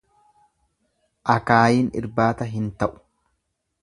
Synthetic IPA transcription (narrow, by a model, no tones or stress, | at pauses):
ʔɐkaːjiːnɪ̰ɾbaːt̪ɐɦɪnt̪ɐʔʊ̥